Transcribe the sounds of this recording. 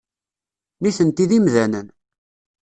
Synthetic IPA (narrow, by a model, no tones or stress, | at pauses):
niθənt̪iðimðænən